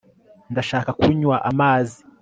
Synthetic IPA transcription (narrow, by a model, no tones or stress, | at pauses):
ndaʃaːkakuɲwaʔamaːzi